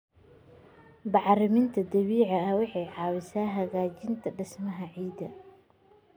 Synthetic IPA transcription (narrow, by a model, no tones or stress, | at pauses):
bɑʕɾɪmɪnt̪ʰɐd̪ɐwiːʕɑɐwɑħɑjʕɑːwɪsaːɦɐɣaːt͡ʃɪnt̪ʰɐɖɪsmɐɦɐʕiːd̪ɐ